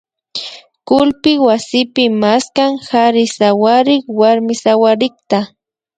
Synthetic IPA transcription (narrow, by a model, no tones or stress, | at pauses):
kʊlpɪwasɪpɪmaskaŋxaɾɪsawaɾɪkwaɾmɪsawaɾɪkt̪a